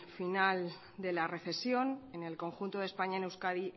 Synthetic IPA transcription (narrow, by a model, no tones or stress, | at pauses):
final | d̪e̞lare̞θe̞sjo̞ne̞ne̞lko̞ŋxunt̪o̞ð̞e̞spaɲaene̞wskaði